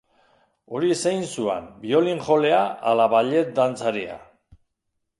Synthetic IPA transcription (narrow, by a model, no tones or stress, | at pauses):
o̞ɾisejnsuḛmbio̞liŋʝo̞le̞aːlaβaʎe̞t̪̚d̪ant͡saɾia̰